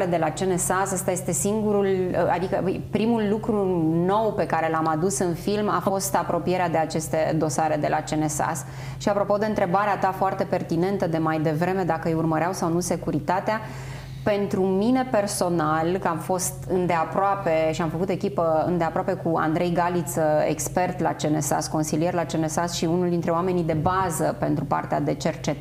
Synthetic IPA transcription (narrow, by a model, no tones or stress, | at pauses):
ed̪e̞lat͡ʃene̞sasast̪aje̞st̪e̞siŋɡuɾula̰d̪ikəpɾimulːukɾuno̞wpe̞kaɾe̞lamad̪usɨnfilmafəost̪apɾo̞pije̞ɾead̪e̞at͡ʃe̞st̪e̞̰d̪o̞saɾe̞d̪e̞lʔa̰t͡ʃe̞nesa̰s | ʃiapɾo̞po̞d̪e̞ɨnt̪ɾe̞baɾeat̪afoart̪e̞pe̞rt̪ine̞nt̪əd̪e̞majd̪e̞vɾe̞me̞d̪akəjurməɾeawsawnuse̞kuɾit̪at̪ea | pe̞nt̪ɾumine̞pe̞rso̞nalkəamfo̞st̪ɨnd̪e̞apɾoape̞ʃiamfəkut̪e̞kʲipəɨ̰nd̪e̞apɾoape̞kua̰nd̪ɾe̞jɡalit̪səḛkspe̞rt̪la̰t͡ʃe̞ne̞sa̰sko̞nsilijerlat͡ʃe̞ne̞sasʃiunuld̪int̪ɾeoame̞nid̪e̞bazəpe̞nt̪ɾupa̰rt̪ea̰d̪e̞t͡ʃe̞rt͡ʃet̪